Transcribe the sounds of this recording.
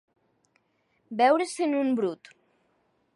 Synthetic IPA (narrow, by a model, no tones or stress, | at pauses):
bɛwɾesenumbɾut̪